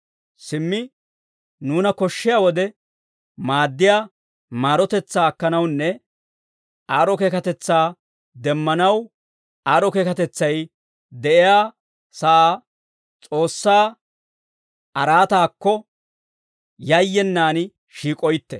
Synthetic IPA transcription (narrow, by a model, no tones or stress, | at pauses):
sɪmːɪ | nuːnɐkɔʃːɪjaːwɔd̪ɛ | maːd̪ːɪjaː | maːɾɔt̪ɛt͡sːaːkːɐnɐwnːɛ | aːɾɔkeːkɐt̪ɛt͡sːaː | d̪ɛmːɐnɐw | aːɾɔkeːkɐt̪ɛt͡sːɐj | d̪ɛʔɪjaː | sɐʔaː | t͡sʼo̞ːsːaː | ɐɾaːt̪aːkːɔ | jɐjːɛnːaːn | ʃiːkʼɔjt̪ːɛ